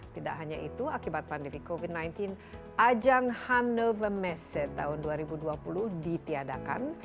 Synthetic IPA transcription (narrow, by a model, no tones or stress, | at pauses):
t̪ida̰ʔɦaɲaʔit̪uakibat̪̚pandɛmikovidnajnt̪in | ʔad͡ʒaŋhanːəvəmɛsɛt̪ːaɦʊnduaɾibuduapuluhdit̪iadaka̰n